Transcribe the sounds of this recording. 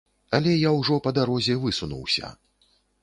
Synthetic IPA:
ɐlʲɛjawʐɔpɐd̪aɾɔzʲɛvɨsunṵwsʲɐ̰

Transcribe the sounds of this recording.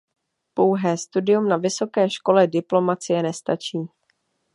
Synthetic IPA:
po̞wɦɛːst̪udɪjumnavɪso̞kɛːʃko̞lɛdɪplo̞mat͡sɪjɛnɛst̪at͡ʃiː

